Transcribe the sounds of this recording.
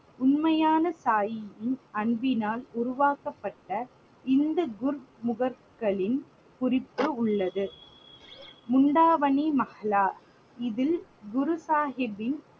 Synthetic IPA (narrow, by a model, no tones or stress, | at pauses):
ʊnmɐjaːnɐsaːjɪjɪnɐɳbɪnaːlʊɾʊʋaːkɐpːɐʈːɐ | ɪnd̪ɐɡʊɾmʊɣɐɾ | kɐɭɪn | kʊrɪpːɯʊɭːɐðɯ | mʊɳɖaːʋɐnimɐhɐlaː | ɪðɪlɡʊɾʊsaːɦɪbɪn